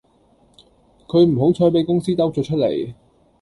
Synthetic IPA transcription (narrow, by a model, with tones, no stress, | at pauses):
kʰɵ˨˧ɥm̩˨˩ɦo˨˥wt͡ʃʰɔː˧jpe˨˥jkʊ˥ŋsiː˥t̪ɐ˥wt͡sœː˨t͡ʃʰɵ˥t̚lḛ˨˩j